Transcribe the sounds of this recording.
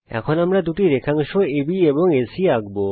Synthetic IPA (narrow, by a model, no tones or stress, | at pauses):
ɛ̰kʰonamɾad̪uʈiɾekʰaŋʃoebieboŋesiaɡbo